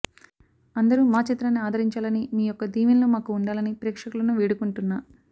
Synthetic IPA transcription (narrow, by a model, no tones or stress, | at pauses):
ɐnd̪ɐɾumaːt͡ʃit̪ɾɐnːiaːd̪ʱɐɾiɲt͡ʃaːlɐnimiːjɔkːɐd̪iːʋinlomaːkuːɳɖaːlɐnipɾɛːkʂɐkulɐnuʋiːɽukuɳʈunːaː